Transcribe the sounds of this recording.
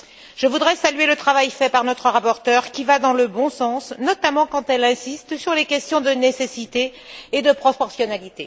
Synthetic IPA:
ʒ̥əvud̪ʁɛsalɥelət̪χavajfɛpaʁnɔt̪χəʁapɔʁt̪œʁkʲivad̪ɑ̃ləbɔ̃sɑ̃snɔt̪amɑ̃kɑ̃t̪ɛlɛ̃sist̪syʁlekʲɛst̪jɔ̃d̪ənesesit̪eː | d̪əpχɔpɔʁsjɔnalit̪e

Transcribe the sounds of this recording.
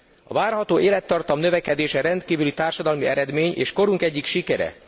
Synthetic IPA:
ɒ̰vaːrɦɒt̪oːʔeːlɛt̪ːɒrt̪ɒmnø̞vɛkɛd̪eːʃɛɾɛnt̪kiːvylit̪aːrʃɒd̪ɒlmiɛɾɛd̪meːɲḛːʃko̞ɾuŋkɛɟːikʃikɛɾɛ̰

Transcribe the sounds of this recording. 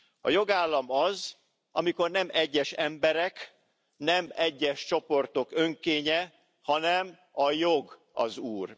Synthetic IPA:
ɒ̰jo̞ɡaːlːɒmɒz | ʔɒmiko̞rnɛmɛɟːɛʃɛmbɛɾɛk | nɛmɛɟːɛʃt͡ʃo̞po̞rt̪o̞kø̞ŋkeːɲɛ | hɒnɛm | ɒjoɡ | ɒ̰zuːr

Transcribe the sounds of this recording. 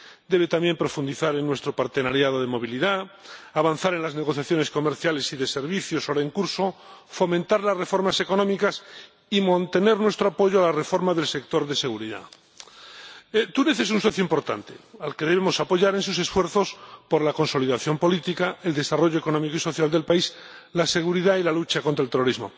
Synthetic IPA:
d̪e̞β̞e̞t̪amje̞mpɾo̞fund̪iθaɾenːwe̞st̪ɾo̞paɾt̪e̞naɾjað̞o̞ð̞emo̞β̞iliðaaβanθaɾe̞nlazne̞ɣ̞o̞θjaθjo̞ne̞sko̞me̞ɾθjale̞siðe̞se̞ɾβiθjosoɾaeŋkuɾso̞fo̞mẽnt̪aɾlasre̞fo̞ɾmase̞ko̞nõmikas | imãnt̪e̞ne̞ɾnwe̞st̪ɾoapo̞ʝoalare̞fo̞ɾmaðe̞lsek̚t̪o̞ɾðe̞se̞ɣuɾiða̰ | et̪uneθe̞s̬unso̞θjoimpo̞ɾt̪a̰nt̪e̞̰alke̞ðe̞βemo̞sapo̞ʝaɾe̞nsuse̞sfwe̞ɾθo̞spo̞ɾlako̞nso̞liðaθjo̞mpo̞lit̪ikaeld̪e̞saro̞ʝoe̞ko̞nomikoiso̞θjald̪e̞lpaislase̞ɣ̞uɾiðailalut͡ʃakont̪ɾelt̪ero̞ɾizmo̞̰

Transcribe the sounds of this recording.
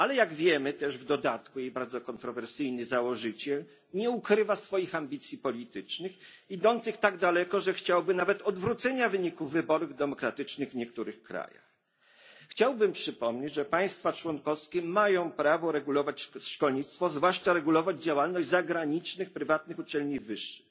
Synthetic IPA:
alɛjaɡvʲjɛmɘt̪ɛʐvd̪ɔd̪at̪kujejbaɾd̪zɔkɔnt̪ɾɔvɛɾsɘjnɘzawɔʐɘt͡ɕɛl | ɲɛukɾɘvasfɔjixambʲit̪sʲjipɔlʲit̪ɘt͡ʂnɘxid̪ɔnt̪sɘxt̪aɡd̪alɛkɔʐɛxt͡ɕawbɘnavɛt̪ɔd̪vɾut̪sɛɲavɘɲikuvːɘbɔɾuɣd̪ɛmɔkɾat̪ɘt͡ʂnɘɣvɲɛkt̪uɾɘxkɾa̰ja̰xː | t͡ɕawbɘmpʂɘpɔmɲed͡ʑʐɛpaj̃st̪fat͡ʂwɔnkɔfskʲɛmajɔ̃w̃pɾavɔɾɛɡulɔvat͡ɕʂkɔlɲit̪st̪fɔzvwaʂt͡ʂaɾɛɡulɔvad͡ʑd͡ʑawalnɔʑzaɡɾaɲit͡ʂnɘxpɾɘvat̪̚nɘxut͡ʂɛlɲivɘʂːɘ̥x

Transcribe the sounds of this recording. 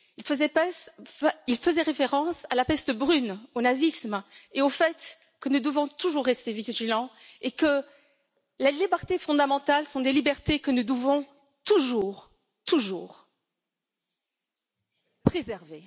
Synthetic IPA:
ilfəzɛpɛsilfəzɛʁefeʁɑ̃salapɛst̪əbʁynonazismeofɛt̪ | kənud̪əvɔ̃t̪uʒuʁːɛst̪eviʒilɑ̃ | ekə | lalibɛʁt̪efɔ̃d̪amɑ̃t̪alsɔ̃d̪elibɛʁt̪ekənud̪əvɔ̃ | t̪uʒuʁ | t̪uʒuːʁ | pχezɛʁve

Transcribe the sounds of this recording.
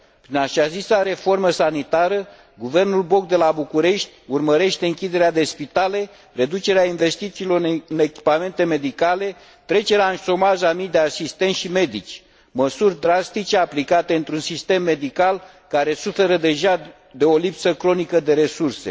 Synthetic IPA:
pɾinaʃazisaɾe̞fo̞rməsanit̪aɾə | ɡuve̞rnulbo̞k̚d̪e̞labukuɾe̞ʃt̪ʲurməɾe̞ʃt̪e̞ɨŋkʲid̪e̞ɾead̪e̞spit̪ale̞ | re̞d̪ut͡ʃe̞ɾeainve̞st̪it̪siːlo̞ɨne̞kʲi̥pame̞nt̪e̞me̞d̪ikale̞ | t̪ɾe̞t͡ʃe̞ɾeaɨnʃo̞maʒamijd̪e̞asist̪e̞nʃime̞d̪it͡ʃʲ | məsurʲd̪ɾast̪it͡ʃe̞aplikat̪e̞ɨnt̪ɾunsist̪e̞mːe̞d̪ikal | kaɾe̞sufe̞ɾəd̪e̞ʒa | d̪e̞o̞lipsəkɾo̞nikəd̪e̞ɾe̞surse̞̰

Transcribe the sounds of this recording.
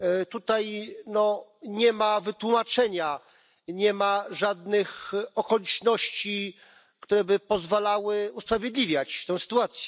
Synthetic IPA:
t̪ut̪ajnɔɲɛmavɘt̪wumat͡ʂɛɲa | ɲɛmaʐad̪nɘxɔkɔlʲit͡ʂnɔɕt͡ɕi | kt̪uɾɛbɘpɔzvalawɘuspɾavʲjed̪lʲivʲjat͡ɕt̪ɛ̃w̃sɘ̥t̪uat̪sʲjɛ

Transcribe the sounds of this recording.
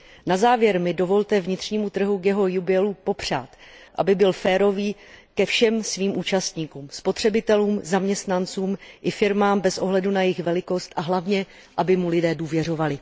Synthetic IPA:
nazaːvjɛɾmɪdo̞vo̞lt̪ɛvɲɪt̪r̝̥ɲiːmut̪r̩ɦukjɛɦo̞jubɪɛlupo̞pr̝̥a̰ːt̪ʔa̰bɪbɪlfɛːɾo̞viːkɛfʃɛmsviːmʔuːt͡ʃast̪ɲiːkuːmspo̞t̪r̝̥ɛbɪt̪ɛluːmzamɲɛst̪nant͡suːmʔɪfɪɾmaːmbɛsʔo̞ɦlɛdunajɪxvɛlɪko̞st̪ʔaɦlavɲɛ | ʔabɪmulɪdɛːduːvjɛr̝o̞valɪ

